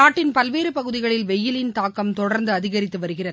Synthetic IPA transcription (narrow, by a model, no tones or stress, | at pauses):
naːʈːɪnpɐlʋeːɾɯpɐɣɯðɪɣɐɭɪlʋɛjːɪlɪnt̪aːkːɐmt̪ɔɽɐɾnd̪ɯɐðɪɣɐɾɪt̪ːɯʋɐɾɯɣɪrɐðɯ